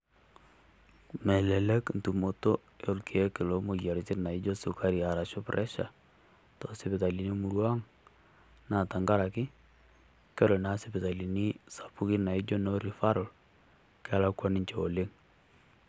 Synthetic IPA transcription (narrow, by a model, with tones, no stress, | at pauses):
mɛ˨lɛ˨lɛ˦kn̩tu˨mo˨to˦ | jo˨lkʰeɛ˦kɪ˨lo˦mo˨ja˨ɾt͡ʃɪ˦na˨ɪ˦d͡ʒo˦su˨ka˦ɾi˨a˨ɾa˨ʃo˦pɾʔɛ˦ʃa˨ | tɔ˨sɪ˨pɪ˨ta˨li˨ni˦mu˨ɾwa˦ŋ | na˨ta˨ŋɡa˦ɾa˨kɪ˦ | kɛ˦ɾo˨na˦sɪ˨pɪ˨ta˨li˨ni˦sḁ˨pu˦kɪ˦na˨ɪ˦d͡ʒo˦no˦ɾi˨fa˦ɾɔ˨l | ka˦la˦kwa˦nɪ˦ɲt͡ʃe˨o˨lɪ˦ŋ